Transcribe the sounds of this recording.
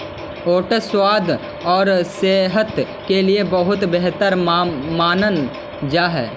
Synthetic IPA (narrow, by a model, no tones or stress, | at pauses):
oːʈəswaːd̪ | ɔːɾseːɦət̪ | keliebəɦʊt̪beɦt̪əɾmaːnən | d͡ʒaːɦɛː